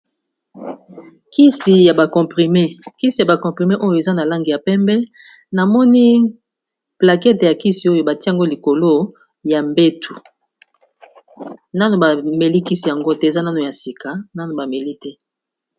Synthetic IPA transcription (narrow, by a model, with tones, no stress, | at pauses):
ki˦si˨ja˨ba˨kɔ̃˨pʁi˨me˦ki˦si˨ja˨ba˨kɔ̃˨pʁi˨me˦ʔo˦jo˨e˨za˦na˨la˦ŋɡi˨ja˨pɛ˦mbɛ˦ | na˨mɔ˦ni˦ | pla˨kɛ˦te˨ja˨ki˦si˨o˦jo˨ba˨ti˦a˨ŋɡo˦li˨ko˨lo˦ | ja˨mbe˦tʰu˨ | na˦no˨ba˨me˨li˦ki˦si˨ja˨ŋɡo˦tɛ˦e˨za˦na˦no˨ja˨si˨ka˨na˦no˨ba˨me˨li˦tɛ˦